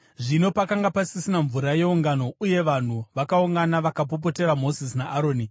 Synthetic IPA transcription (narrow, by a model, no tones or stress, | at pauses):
ʐino̞pakaŋɡapasisinaɱvuɾaje̞uŋɡano̞uje̞ʋan̤uʋakauŋɡanaʋakap̬op̬o̞te̞ɾamo̞zisnaʔːɾo̞ːni